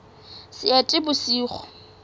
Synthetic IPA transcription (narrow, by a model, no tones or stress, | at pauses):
sɪatʼɪbʊsiːχɔ̥